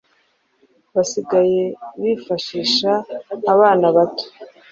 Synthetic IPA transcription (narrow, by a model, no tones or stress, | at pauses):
βasiɡaje̞βifaʃiːʃaːβaːnaβato̥